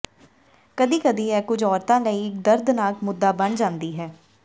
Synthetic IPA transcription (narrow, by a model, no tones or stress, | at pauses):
kəd̪iːkəd̪iːɛːkʊd͡ʒɔːɾt̪ãːləiːɪkd̪əɾd̪naːkmʊd̪ːaːbəɳd͡ʒãːnd̪iːɦɛː